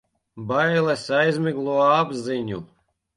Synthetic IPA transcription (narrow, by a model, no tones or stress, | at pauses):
bajlɛsajzʲmʲiɡlˠuɔabziɲu